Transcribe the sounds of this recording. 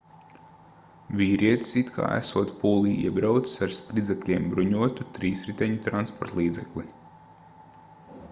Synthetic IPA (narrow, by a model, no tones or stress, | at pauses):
vʲiːɾiɛt̪i̥sit̪kʰa̰ːæ̰suɔt̪puːlˠiːḭɛbɾawt̪ssaɾspɾid̪zɛklʲiɛmbɾuɲuɔt̪ut̪ɾiːsɾit̪ʲɛɲut̪ɾanspɔɾt̪lˠiːd̪zɛklˠi